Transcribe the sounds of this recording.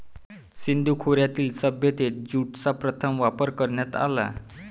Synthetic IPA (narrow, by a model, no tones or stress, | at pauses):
sind̪ʱukʰoɾjat̪iːlsəbjət̪et̪̚d͡ʑuʈt͡sapɾət̪ʰəmʋapəɾkəɾɳjat̪a̰la̰